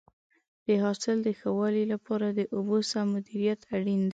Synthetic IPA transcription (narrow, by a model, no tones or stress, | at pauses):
d̪̥əɦɑsɪld̪əxawɑlilapɑɾad̪əʔobosamʊd̪iɾijat̪ʰaɽind̪